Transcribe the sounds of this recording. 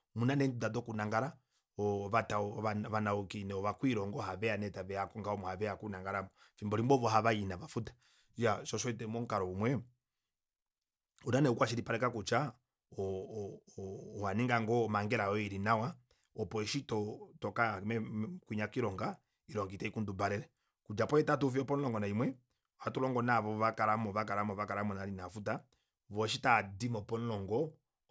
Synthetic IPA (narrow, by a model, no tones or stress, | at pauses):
munanɛntudadɔkunaŋɡaɾa | ɔβataɔaβanaɔkinɛɔβakwiɾɔŋɡɔhaβɛanɛtaβɛakɔŋɡaɔmɔhaβɛakunaŋɡaɾamɔfimbɔɾimbɔβɔɦaβajinaβafutḁ | jaʃɔʃɔitɛmɔŋ̩kaɾɔumwɛ | unanɛukwaʃiɾipaɾɛkakut͡ʃa | ɔ | ɔhaniŋɡaŋɡɔːmaŋɡɛɾaɔiɾinawa | ɔpɔɛʃitɔtɔkamɛkwiɲakiɾɔŋɡa | iɾɔŋɡitɛikundubaɾɛɾɛ | kud͡ʒapɔɛtatufiɔpɔnlɔŋɡɔnaimwɛ | atulɔŋɡɔnaβɔβakaɾamɔβak̬aɾamɔβakaɾamɔnaɾinafuta | βɔʃ̬itadimɔpɔn̩lɔŋɡɔ